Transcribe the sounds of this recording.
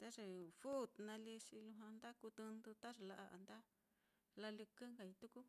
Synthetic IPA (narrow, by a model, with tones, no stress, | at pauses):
t̪a˦ʐe˧fu˦˨t̪nã˧li˧ʂi˧lũ˧ɦã˧nd̪a˦ku˧t̪u˧nd̪u˧t̪a˦ʐe˧la˧ʔa˧ʔa̰˧nd̪a˦ | la˧li˧kɨ˦ŋɡa˨i˧t̪u˦ku˦